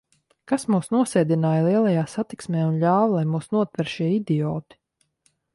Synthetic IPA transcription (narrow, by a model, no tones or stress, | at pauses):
kasmuːsnuɔsɛːd̪inaːjlˠiɛlˠajaːsat̪iksmʲɛːunʎʲaːvlˠajmuːsnuɔt̪vɛɾʃiɛid̪iɔːt̪i̥